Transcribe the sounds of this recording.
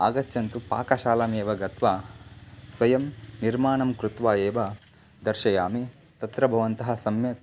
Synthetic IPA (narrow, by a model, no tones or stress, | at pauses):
aːɡɐtːjɐnt̪upa̰ːkɐʃaːlɐmeːʋɐɡɐt̪ʋaːsʋɐjɐmniɾmaːɳɐmkɾut̪ʋaːjeːʋɐ | d̪ɐɾʃɐjaːmi | t̪ɐt̪ɾɐbʱɐʋɐnt̪ɐɦɐsɐmjɐ